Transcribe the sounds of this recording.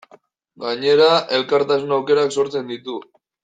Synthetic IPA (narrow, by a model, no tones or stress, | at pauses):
ɡaɲe̞ɾaʔe̞lkaɾt̪asunawke̞ɾakso̞ɾt͡se̞nd̪it̪u